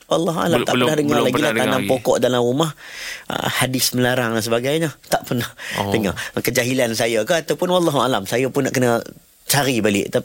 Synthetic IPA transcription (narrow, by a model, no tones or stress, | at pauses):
walːɑɦua̰lamt̪aʔpənahdəŋalaɡillahtd̪anampokɔʔdalamrumah | hadɪsməlaɾaŋlasəbaɡajɲət̪aʔpərnahdəŋakəd͡ʒaɦilansajəkahat̪awpʊnwalːɑɦualamsajəpʊnːaʔkənə | t͡ʃaɾibalɪ̰ʔt̪a